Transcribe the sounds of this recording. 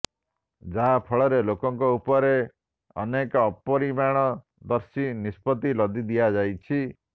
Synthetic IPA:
d͡ʒaɦapʰɔɭɔɾelokɔŋkɔupɔɾe | ɔ̰nekɔːpɔɾimaɽ̃ɔ | d̪ɔɾsinispɔt̪ilɔd̪id̪ijad͡ʒajt͡ʃʰi

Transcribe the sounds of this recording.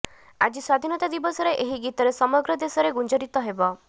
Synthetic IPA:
a̰d͡ʒiswad̪ʱinɔt̪ad̪ibɔsɔɾeʔeɦiɡit̪ɔɾesɔmɔɡɾɔd̪esɔɾeɡund͡ʒɔɾit̪ɔɦebɔ

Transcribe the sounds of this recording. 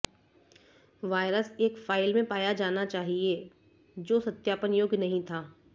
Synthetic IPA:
ʋaːɪɾəseːkfaːɪlmẽpaːjad͡ʒaːnat͡ʃaːɦie | d͡ʒoːsɐt̪jaːpənjoːɡnɐɦĩt̪ʰaː

